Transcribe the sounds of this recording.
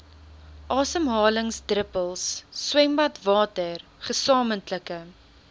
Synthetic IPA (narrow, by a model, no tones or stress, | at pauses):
ʔɑːsəmɦɑːləŋsdrəpəlˠsːwɛmbɐtvɑːtərχəsɑːməntləkə